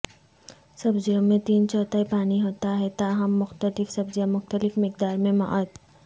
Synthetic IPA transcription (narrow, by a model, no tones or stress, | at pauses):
sɐbzijõmẽt̪iːnt͡ʃɔːt̪aipaːniɦoːt̪aɦɛt̪aːɦəmːʊxt̪əlɪfsɐbzijãmʊxt̪əlɪfmɪk̚d̪aːɾmẽma̰ʔət̪